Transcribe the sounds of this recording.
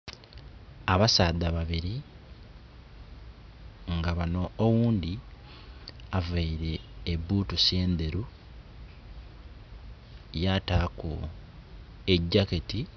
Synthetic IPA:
aβasaːd̪aβaβiɾi | ŋɡaβanoːwuːnd̪i | avaiɾe̞ːbuːtuseːnd̪e̞ɾu | jataːko | eɟːaketi

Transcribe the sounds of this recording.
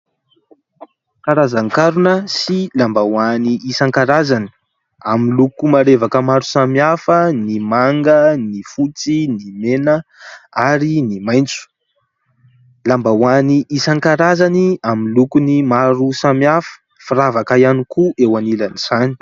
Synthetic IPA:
kaɾazaŋkaɾunəsilambawaniʔisaŋkaɾazani̥ | amilukumaɾevakəmaɾu̥samiafənimaŋɡənifut͡sinimenəaɾinimaj̃nt͡su̥ | lambawaniisaŋkaɾazaniamilukunimaɾusamiafə̥ | fiɾavakaianikuʔewanilaniz̥ani̥

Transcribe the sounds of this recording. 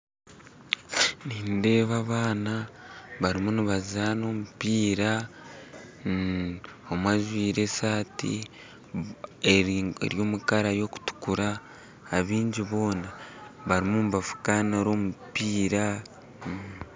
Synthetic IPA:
niːnde̞ːβaβaːnaβaɾimuniβazano̞mupiːɾa | omwaʒwiːɾe̞saːtḭ | eɾiḛɾjo̞mukaɾajo̞ku̥tu̥kuɾaː | βiːɲɟiβo̞ːnaβaɾimumuβafu̥kanaɾo̞mupiːɾa

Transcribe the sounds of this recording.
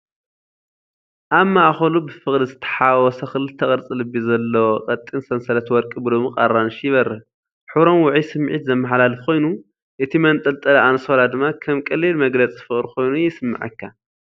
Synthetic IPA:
ʔaβmaʔxɐlubɨfɨχʼlizɨt̪ʰɐ̥ħawɔsɐxɨlɨt̪ʰɐkʼɐɾt͡sʼɨlɨbizɐlːɐwoqʼɐt̪ʼinsɐnsɐɾɐt̪wɔɾkʼɨbɨlomɨqʼarːanʃjɪβɐɾːɨ | ħɨβɾo̞mwʊʕisɨmʕḭt̪zɐmːɐħlalɨfkʰo̞jnu | ʔɨt̪ʰimɐnt̪ʼɐlt̪ʼɐlɐʔansolad̪ɨmːakʰɐmkʼɐlːilmɐɡlɐt͡sʼzɨfɨχʼɾkʰo̞jnujɪsɨmːɨ̰ʕɨ̰kʰːa

